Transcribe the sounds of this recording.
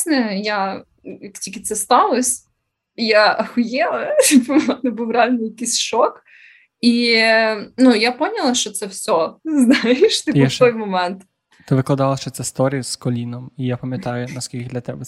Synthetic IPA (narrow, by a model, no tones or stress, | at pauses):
nɛja | jaktʲilʲkʲɪt̪sɛst̪ɑlˠɔsʲ | jaɐxʊjɛɐbmɛnbuwrɛalʲnɪjɐkisʲʃɔk | i | nujapɔnʲɐlˠɐʃt͡ʃɔt̪sɛwsʲɔznajɪʃt̪ɪbt̪ɔjmɔmɛnt̪ | t̪ɪʋɪklˠɐd̪ɑlˠɐʃt͡ʃɔt̪sɛst̪ɔɾʲijskɔlʲinɔmijapɐmʲjɐt̪ɑjʊnɐskʲilʲkʲɪd̪lʲɐt̪ɛbɛ